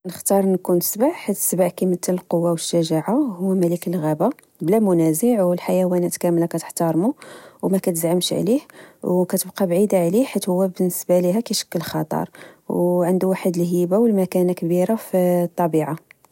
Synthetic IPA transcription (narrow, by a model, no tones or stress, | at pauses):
nəxt̪ɑɾˤnkunsbəʕħat̪ːsbəʕkimət̪ːələlqowːawəʃːəʒaʕahʊwːmælikəlɣæba | blæmʊnæzəʕwəlħajæwænæt̪kæmlakæt̪ə̥ħt̪ɑɾˤmuwmækæt̪əzʕəmʃʕlihwwkæt̪əbqɑbʕid̪aʕliħat̪hʊwːæbənːəsbaliɦækæʃə̥kːəlxɑ̰t̪ˤɑ̰ɾˤwʕənd̪uwaħəd̪əlɦibawəlmækænakbiɾaft̪ˤːɑbiʕa